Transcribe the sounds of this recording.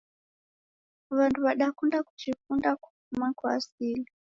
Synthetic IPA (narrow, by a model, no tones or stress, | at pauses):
ʋantʰuβaɗakundaku̥t͡ʃikundaku̥fumakua̰siːli